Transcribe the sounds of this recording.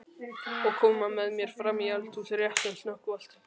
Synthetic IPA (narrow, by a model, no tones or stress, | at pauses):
ɔɣkʰɔːmamɛðmjɛɾ̥fɾamːialt̪ʰusɾjaht̪ɛnsnɔhkval̥t̪